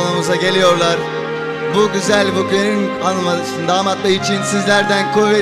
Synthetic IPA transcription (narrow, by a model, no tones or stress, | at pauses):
namuzaɟe̞lʲijo̞ɾlˠaɾ̥ | buɟyzælʲbubɾenin | anːɯmad̪sɯnd̪aːmat̪lˠɯit͡ʃʰinsizlʲæɾd̪ænkʰuve